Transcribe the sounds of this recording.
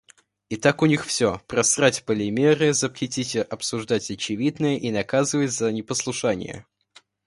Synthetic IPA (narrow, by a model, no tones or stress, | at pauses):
ɪt̪akʊnʲixfsʲopɾɐsratʲpəlʲɪmʲeɾɨzəpxʲɪtʲitʲɪʔɐpsʊʐd̪atʲɐt͡ɕɪvʲid̪nəjəʔinɐkazɨvətʲzənʲɪpəslˠʊʂanʲɪ̰jə̰